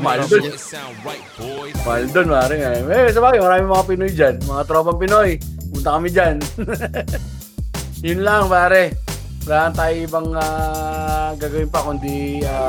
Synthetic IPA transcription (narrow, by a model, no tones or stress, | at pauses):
mad̪o | maɐld̪onmaːɾɛŋaɾaɪɛsɐbaːɡɪmɐɾaːmɪŋmɐŋapɪnojd͡ʒanmɐŋat̪ɾobɐŋpɪnojmʊnt̪akɐmɪd͡ʒan | jʊnlaŋpaːɾɛ | laːʔnt̪aːɪɪbɐŋaː | ɡaːɡɐwɪnpɐkʊnd̪ia